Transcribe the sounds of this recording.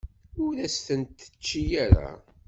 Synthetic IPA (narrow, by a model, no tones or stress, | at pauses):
ʊɾæst̪ənt̪ːə̥t͡ʃːijaɾa̰